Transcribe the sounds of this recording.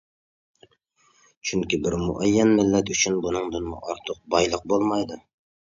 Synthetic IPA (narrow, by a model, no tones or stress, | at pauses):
t͡ʃʰyŋkʲibɪɾmṵʔɛjːɛnmɪlːɛt̪ʰyt͡ʃʰynbunɨŋd̪ɨnmṵʔɑɾt̪ʰʊq̚bɑjlˠəq̚bolˠmɑjd̪u